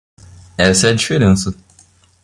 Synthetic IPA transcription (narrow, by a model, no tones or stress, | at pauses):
ɛsɐɛd͡ʒifeɾẽsɐ